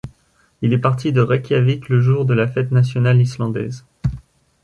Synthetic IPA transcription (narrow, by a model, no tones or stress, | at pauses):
ilɛpaʁt̪ʰid̪əʁakʲjavit̪ləʒuʁd̪əlafɛt̪nasjɔnalislɑ̃d̪ɛ̰z